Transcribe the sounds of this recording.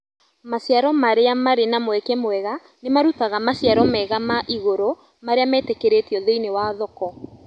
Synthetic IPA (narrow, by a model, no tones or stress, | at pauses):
masjaɾɔmaɾeamaɾenamwɛkɛmwɛɣa | nemaɾutaɣamasjaɾɔmɛɣamaʔiɣoɾo | maɾeamɛːtekeɾetiɔðeinewaðɔkɔ